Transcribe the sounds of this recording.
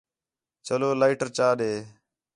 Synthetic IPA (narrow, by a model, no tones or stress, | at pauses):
t͡ʃəloːlaɪʈəɾt͡ʃaːɗeː